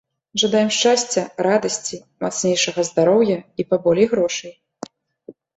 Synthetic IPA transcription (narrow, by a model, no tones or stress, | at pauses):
ʐɐd̪ajɛmʂt͡ʂasʲt͡sʲːɛɾad̪ɐsʲt͡sʲi | mat̪snʲejʂɐɣɐzd̪aɾɔwjɐipabɔlʲɛjɣɾɔʂɐj